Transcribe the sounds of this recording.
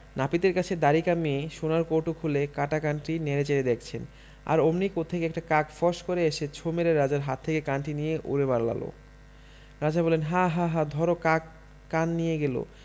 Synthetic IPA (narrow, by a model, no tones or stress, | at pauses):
napit̪eɾkat͡ɕʰed̪aɾikameeʃonaɾkoʈukʰulekaʈakanʈineɾet͡ɕeɾed̪ekʰt͡ɕʰen | a̰ɾomnikot̪ʰːekeɛk̚ʈakakfɔʃkoɾeeʃet͡ɕʰomeɾeɾad͡ʑaɾɦat̪ʰːekekanʈinijeʔṵɾebaɾala̰lo̰ | ɾad͡ʑabɔlenɦaɦaɦad̪ʱɔɾokak | kanːijeɡelo̰